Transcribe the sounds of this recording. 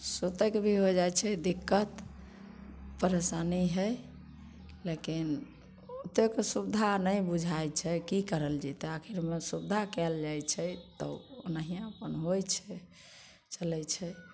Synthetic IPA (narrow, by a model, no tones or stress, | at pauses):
sot̪ekebʱiɦod͡ʒajt͡ʃʰɛd̪ikːət̪ | pəɾesaniɦəj | lekin | ot̪okesubd̪ʱanəjbud͡ʒʱajt͡ʃʰɛkikəɾəld͡ʒit̪eakʰiɾmesubd̪ʱakɛld͡ʒajt͡ʃʰɛt̪ɔ̰nəɦijãəpənɦojt͡ʃʰɛ | t͡ʃəlɛt͡ʃʰɛ